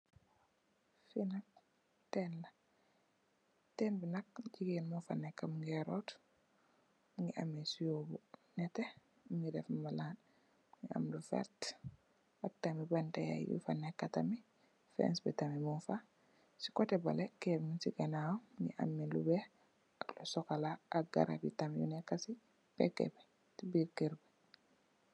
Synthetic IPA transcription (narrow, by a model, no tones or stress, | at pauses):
finak̚ | tɛnla | tɛnbinak̚ɟiɡɛnmufa̰nɛkːamŋɡɛɾɔt | ŋiʔa̰mːisujobunɛtɛ | ŋidɛfmalaːn | ŋia̰mlufɛ̰ɾt | ak̚tamibantaja̰jḭjṵfanɛkːatami | fɛ̰nsbɛtamimunfa | si̥kɔtɛbalɛkɛɾmunsiɡanawnḭʔa̰mːilubɛ | aklusɔkalaʔ̚ːɡa̰ɾa̰bitamjṵnɛkːasi | pɛ̰kːɛ̰bɛ | tibiːɾkiɾbɛ